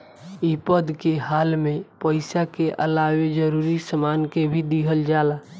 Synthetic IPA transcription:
ipəd̪keɦaːlmepəɪsakeʔə̰lawed͡ʒəɾuɾisəmankebʱid̪iɦəld͡ʒala

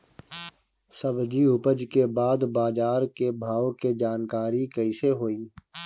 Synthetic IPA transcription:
səbd͡ʒiʊpəd͡ʒkebaːd̪baːd͡ʒaːɾkebʱaːoked͡ʒaːnkaːɾikəiseɦoːiː

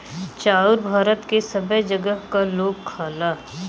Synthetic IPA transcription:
t͡ʃaːʊɾbʱaːɾət̪kesɐbəd͡ʒɐɡəɦkaloːɡ̚kʰaːlaː

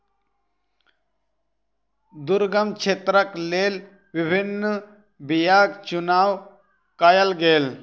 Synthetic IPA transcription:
d̪ʊɾɡəmt͡ʃʰeːt̪ɾəkleːl | ʋɪbʱɪnː | bijaːɡt͡ʃʊnaːw | kaːjəlɡeːl

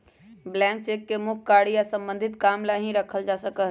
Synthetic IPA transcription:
blɛ̃ŋk̚t͡ʃekːemʊkʰkaɽijasə̃mbə̃nd̪ʱɪt̪kamlaɦĩɾəkʰəld͡ʒasəkəɦ

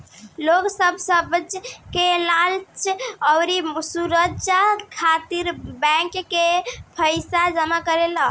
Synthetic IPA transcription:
loksəbʱsəbd͡ʒkelalt͡ʃʰəwɾisuɾət͡ʃakʰat̪iɾbɛ̃kkepʰəjsad͡ʒəmakəɾelə

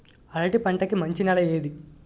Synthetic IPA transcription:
ɐlɐʈipɐɳʈɐkimɐɲt͡ʃinɐlɐjeːd̪i

